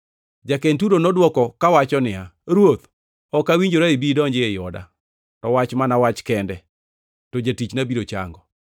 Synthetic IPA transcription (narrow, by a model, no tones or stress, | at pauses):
d͡ʒakentuɾonɔdwɔkɔkawat͡ʃɔnɪaɾwot̪ | ɔkawiɲd͡ʒoɾaibidɔɲd͡ʒɪejɔda̰ | tɔwat͡ʃmanawat͡ʃkɛndɛ | tod͡ʒatit͡ʃnabiɾot͡ʃa̰ŋɡɔ